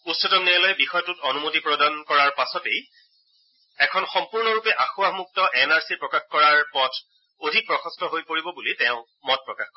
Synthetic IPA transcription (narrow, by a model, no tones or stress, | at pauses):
utsɔtɔmnialɔjbixɔjɔtutonumotipɹɔdankɔɹaɹpasɔtej | ɛkʰɔnxɔmpuɹnɔɹupɛʔaxuamuk̚tɔʔɛnaɹsiɹpɹɔkaxkɔɹaɹpɔtʰ | odʱik̚pɹɔxʰɔstɔɦojpoɹibɔbulitɛʊ̃ | mɔt̚pɹɔkaxkɔ